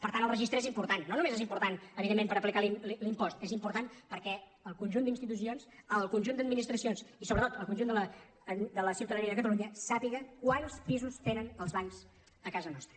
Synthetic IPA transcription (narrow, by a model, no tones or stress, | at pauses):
pəɾt̪anəlˠrəʒist̪ɾəezimpuɾt̪anːonumezezimpuɾt̪anəβiðemːẽmpəɾəplikalillimpɔst̪ezimpuɾt̪anpəɾkɛ | əlˠkunʲʒund̪inst̪it̪us̬ionsəlˠkunʲʒund̪əd̪minist̪ɾəsionsisoβɾət̪ot̪əlˠkunʒund̪ələ | d̪ələsiuwt̪əðəniəðəkət̪əluɲəsapiɣəkwanspizust̪enənəlˠzβaʎz | əkazənɔst̪ɾə